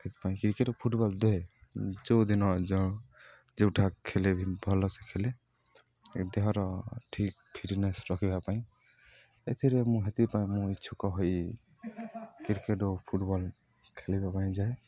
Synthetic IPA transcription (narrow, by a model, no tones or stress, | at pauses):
hɛt̪i̥paĩkiɾkeʈɔpʰuʈbɔld̪ɔed͡ʒɔwd̪inɔd͡ʒɔ̃ | d͡ʒeʈʰakʰːelebʱibʱɔlɔsɛkʰele | d̪ɛɦɔɾɔʈʰik̚pʰiɾʈnɛsɾɔkʰibapaĩ | et̪ʰiɾɛmũɦet̪ipaj̃mũit͡ʃʰukɔɦɔj | kiɾkeʈɔpʰuʈbɔl | kʰelibapaj̃d͡ʒae